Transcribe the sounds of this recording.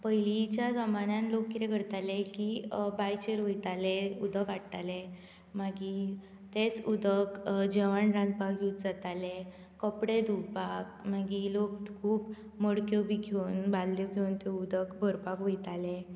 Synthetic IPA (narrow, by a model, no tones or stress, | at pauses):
pəjlit͡ɕjad͡zəmanãnlokːiɾeɡʱəɾt̪alekibajt͡ɕeɾʋojt̪aleud̪əkaɽt̪ale | maɡi | t̪et͡sud̪əkd͡ʑeʋaɳɾãnd̪̚pakɡʱeut̪̚d͡zat̪ale | kəpɽed̪upakmaɡilok̪kʰuːp | məɽkjɔbʱiɡʱonbalːjokiwnt̪ud̪əkbʱəɾpakʋojt̪ale